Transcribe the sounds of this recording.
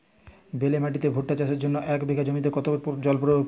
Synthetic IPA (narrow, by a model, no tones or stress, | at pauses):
belemaʈit̪ebʱoʈ̚ʈːat͡ɕaʃeɾd͡ʑonːoʔɛkbeɡʱad͡ʑomit̪̬ekɔt̪opd͡ʑɔlpɾo